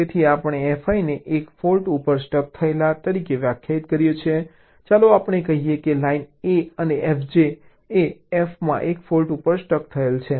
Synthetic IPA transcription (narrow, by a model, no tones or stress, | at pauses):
t̪et̪ʰiapəɳ̃eɛfaineʔekfolʈupəɾsʈək̚t̪ʰəelat̪əɾikeʋjakʰjait̪kəɾjet͡ʃʰe | t͡ʃaloapɳ̃ekəɦijekelaineəneʔɛfd͡ʒe | eɛfmã̰ʔekfolʈupəɾsʈək̚t̪ʰəelt͡ʃʰe